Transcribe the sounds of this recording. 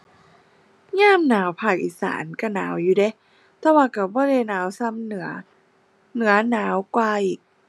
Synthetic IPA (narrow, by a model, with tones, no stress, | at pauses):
ɲaː˥˨mnaː˨˩˦wpʰaː˧˩k̚ʔiː˨˩sa̰ː˩˦nka˧˩na̰ː˩˦wjuː˨˩de˧˦ | t̪ɛ˧˩waː˧˩ka˧˩bɔː˧˥˨le˧˩jnaː˨˦wsa˧˥˨mnɯ˨˩˦ɐ | nɯ˩˦ɐnaː˩˦wkwaː˧ʔiː˨˩k̚